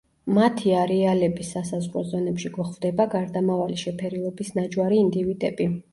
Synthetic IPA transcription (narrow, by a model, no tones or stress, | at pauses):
mat̪ʰiaɾɛalɛbisːasazʁɾɔzɔnɛpʃiɡɔχvd̪ɛbaɡaɾd̪amavaliʃɛpʰɛɾilˠɔbisnad͡ʒwaɾiːnd̪ivid̪ʼɛbi